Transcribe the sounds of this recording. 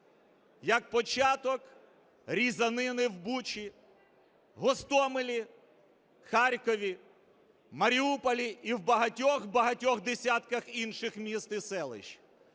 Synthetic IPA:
jɐk̚pɔt͡ʃɑt̪ɔk | ɾʲizɐnɪnɪwbut͡ʃi | ɦɔst̪ɔmɪlʲi | xɑɾʲkɔʋʲi | mɐɾʲiupɔlʲiiwbɐɦɐtʲɔxbɐɦɐtʲɔxd̪esʲat̪kɐxinʃɪxmʲist̪ɪsɛlˠɪ̰ʃ

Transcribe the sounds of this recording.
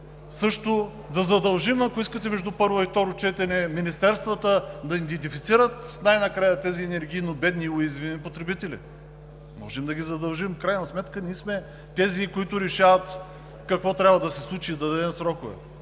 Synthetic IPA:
sɤʃt̪ʊ | d̪ɐzɐd̪ɐlˠʒimɐkʊiskət̪ɛmɛʒd̪upɤɾvoift̪ɔɾʊt͡ʃɛt̪ɛnɛminist̪ɛɾst̪vət̪əd̪ɐid̪ɛnt̪ifit̪siɾət̪najnɐkɾajət̪ɛziɛnɛɾɡʲiːnobɛd̪nioizvinipot̪ɾɛbit̪ɛlḭ | mɔ̰ʒɛmd̪ɐɡʲizɐd̪ɐlˠʒimfkɾajnɐsmɛt̪kənismɛ | t̪ɛzikʊit̪ʊɾɛʃavɐt̪ | kɐkvɔt̪ɾʲabvɐd̪ɐsɛslˠut͡ʃid̪ɐd̪ɐd̪ɛmsɾɔkʊvɛ̰

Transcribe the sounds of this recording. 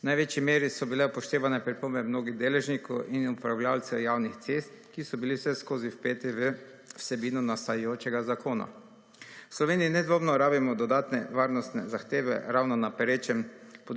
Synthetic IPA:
najʋeːt͡ʃimeːɾisɔbilɛpɔʃt̪eːʋanɛpɾipoːmbɛmnoːɡiɣd̪eːlɛʒnikɔwʔinupɾawlʲjaːlt̪sɛwjaːwnixt̪sest̪kisɔbiliwsɛskoːziwpet̪iʋ | wsɛbiːnɔnast̪ajjoːt͡ʃɛɡazakoːna̰ | wslɔʋeːniːnɛd̪ʋoːmnɔɾaːbimɔd̪ɔd̪aːt̪nɛʋaːɾnɔst̪nɛ̰zaxt̪eːʋɛ̰ɾawnɔnapɛɾeːt͡ʃɛmpɔ

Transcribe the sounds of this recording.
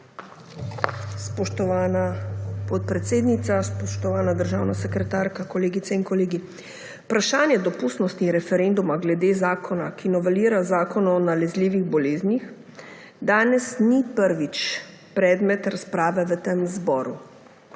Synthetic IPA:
spɔʃt̪ɔʋanapɔt̪̚pɾɛt̪seːd̪nit̪saspɔʃt̪ɔʋaːnad̪əɾʒaːwnasɛkɾɛt̪aːɾkakɔleːɡit̪sɛiŋkɔleːɡi | pɾaʃaːnjɛd̪ɔpust̪nɔst̪nixɾɛfɛɾend̪umaɡlɛd̪eːzaːkʰɔnakinɔʋɛliːɾazaːkɔnɔnalɛzliːʋiɣbɔleːznix | d̪aːnɛsnipəɾʋit͡ʃ | pɾɛːd̪mɛt̪ɾaspɾaːʋɛʋət̪emzbɔːɾu

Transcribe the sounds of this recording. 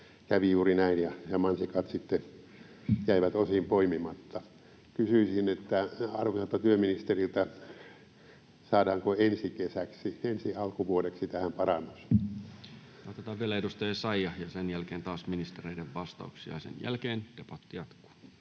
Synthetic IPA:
kæʋijuːrinæinjɑjɑmɑnsikɑt̪sit̪ːe | jæiʋæt̪osimpoimimɑt̪ːɑ | kysyisinet̪ːæɑrʋisɑlt̪ːɑt̪yøminist̪erilt̪æ | sɑːdɑːŋkoensikesæksiensiɑlkuʋuodeksit̪æhæmpɑrɑnːus | ʋɑt̪æt̪æʋeleidust̪ɑeˑsɑijɑjɑsenjælkeːnt̪ɑːsminist̪ereideʋʋɑst̪ɑuksiɑ̰sḛnjæ̰lkeːnd̥epɑt̪ːijɑt̪ku̥ː

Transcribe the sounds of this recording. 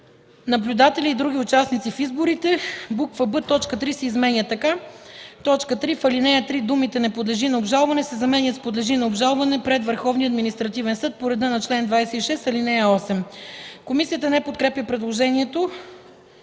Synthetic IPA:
nɐblʲʊd̪at̪ɛlʲiːd̪ɾuɡ̟ʲiʊt͡ʃasnit̪sifizboɾit̪ɛbukvəbɤt̪ːɔt͡ʃkət̪ɾisɛizmɛnʲət̪ːɐkat̪ɔt͡ʃkət̪ɾifɐlinɛjət̪ɾid̪umit̪ɛnɛpod̪lɛʒinɐobʒalˠvɐnɛsɛzɐmɛnjət̪spod̪lɛʒinɐobʒalˠvɐnɛpɾɛt̪vəɾxɔvniɐd̪minist̪ɾɐt̪ivɛnsɤət̪̚poɾɛd̪ənɐt͡ʃlɛnd̪vajsɛiʃɛst̪ɐlinɛjəɔsɛmkomisijət̪ənɛpot̪̚kɾɛpjəpɾɛd̪lˠoʒɛniɛt̪o

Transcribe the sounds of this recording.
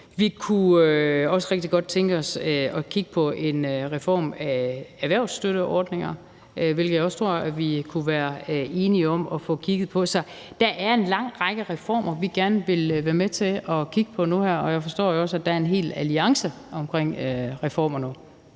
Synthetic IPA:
ʋikʰuøɒ̽səʁɛɡ̥̚d̥iɡ̥ɒ̽d̥̚t͡sʰeŋɡ̥əɒ̽søɒ̽kʰiɡ̥əpʰɒ̽ʔe̝nʁɛfɒ̰ːmææʋæɐʊ̰sd̥øɾəʔɒːd̥ne̝ŋɐ | ʋelɡ̥ð̩jɒ̽st͡sʰʁo̝ɐ̰æʋikʰuʋæːɐe̝ːniɒ̽mɒ̽fɔ̰̽ːkʰiɡ̥ð̩ˠpʰɒ̽sɒ̽ | d̥æʔæɐe̝nlɑ̈ŋ̰ʁɑ̈ɡ̥əʁɛfɒ̰ːmɐʋiɡ̥æɐnəʋe̝lʋæːɐmet͡sʰe̝ɒ̽kʰiɡ̥əpʰɒ̽nuhæɐ̰ɒ̽jæɪfɒ̽sd̥ɔ̰ːjɒ̽sæd̥ææɐe̝nɦe̝̰ːlæliɑ̈ŋsə | ɒ̽mkʰʁeŋ̰øʁɛfɒ̰ːmɐnu

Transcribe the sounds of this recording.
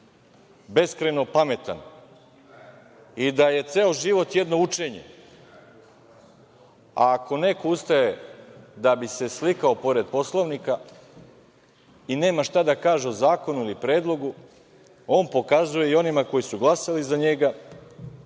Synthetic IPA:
be̞skɾeno̞pame̞t̪a̰n | id̪aje̞t̪seːoʒiʋo̞t̪je̞d̪no̞ut͡ʃe̞ɲe̞̰ | a̰ːko̞ne̞koust̪aje̞d̪abise̞slikaopo̞ɾe̞d̪̚po̞slˠoʋnika | ine̞ːmaʃt̪ad̪akaːʒeozaːko̞nuilipɾe̞ːd̪lˠo̞ɡu | o̞ːnpo̞kazuje̞io̞nimako̞jisuɡlˠasalizaɲe̞ɡa

